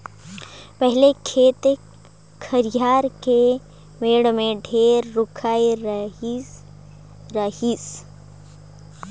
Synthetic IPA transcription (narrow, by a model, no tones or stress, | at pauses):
pəɦɪlekʰeːt̪e | kʰəɾjaːɾke | meːɽmẽɖʱeːɾːʊkʰaːi | ɾɐhis